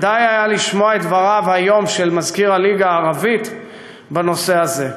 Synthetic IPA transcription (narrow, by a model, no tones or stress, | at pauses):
dajajaliʃmoaet̪vaʁavhajo̞mʃelmazkiʁaliɡaːʁavit̪ | beno̞se̞aze̞